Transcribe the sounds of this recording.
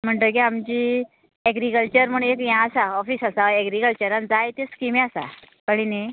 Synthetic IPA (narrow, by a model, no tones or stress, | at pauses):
m̤əɳʈ̪ək̬iamd͡ʑiː | ɛɡɾikəlt͡ɕəɾm̤əɳ̃ekjãːsaɔfiːsasaɛɡɾikəlt͡ɕəɾand͡zajt̪eskimeasa̰ | kəɽini